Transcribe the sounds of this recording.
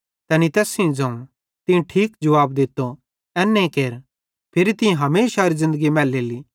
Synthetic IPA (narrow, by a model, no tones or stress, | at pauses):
t̪ɛːnit̪ɛːsĩd͡zɐ̃ũ | t̪ɪ̃ũʈʰiːkd͡ʒɐʋaːbd̪ɪt̪ːo | ɛːnːẽkeːɾ | pʰɪɾit̪ɪjẽɦɐmeːsaɾizɪ̃nd̪əɡimɛːleːli